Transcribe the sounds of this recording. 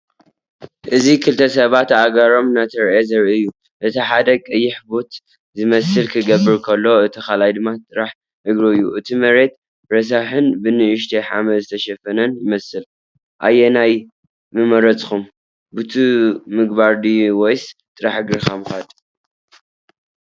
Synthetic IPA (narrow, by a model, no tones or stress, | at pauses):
ʔɨzikʰɨlt̪ʰɐsɐβat̪aɡɐɾo̞mnat̪ʰɐɾʔezɐɾʔiɨjːu | ʔɨt̪ʰiħad̪ɐkʼɨjːɪħbot̪ | zɨmɐsɨlkʰɨɡɐβːɨɾkʰɐlːo̞ɨt̪ʰixalajd̪ɨmːat̪ʼɨɾaħ | ɨɡɾoɨjːuʔɨt̪ʰimɐɾe̞t̪̚ | ɾɐs̬aħɨnbɨnɨʔɨʃ̬t̪ʰeħa̰mɐzɨt̪ʰɐʃɐfɐnɐnjɪmɐsɨl | ʔa̰jːenaj | mɨmɐɾɐt͡sʼxum | but̪ʰumɨɡbaɾd̪iwojst̪ʼɨɾaħɨɡɾɨxamɨxad̪